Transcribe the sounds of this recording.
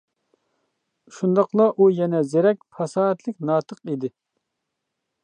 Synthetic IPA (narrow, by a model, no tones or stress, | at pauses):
ʃund̪ɑqlˠɑʔujɛnɛzeɾɛk̚ʲpʰɑsɑːɛt̪lɪkʲnɑːt̪ʰəqid̪ɪ